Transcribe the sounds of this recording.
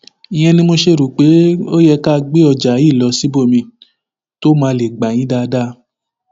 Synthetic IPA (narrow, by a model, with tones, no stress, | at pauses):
i˨j̃ɛ̃˧nĩ˧˦mo˧ʃe˦ɾu˨k͡pe˨˦o˦jɛ˧ka˦˧ɡ͡be˦ɔ˧d͡ʒa˨˦i˦˨lɔ˧˦si˨˦bo˦˨mĩ˧ | to˦mãː˧le˨ɡ͡ba˨j̃ĩ˨˦da˧˦da˦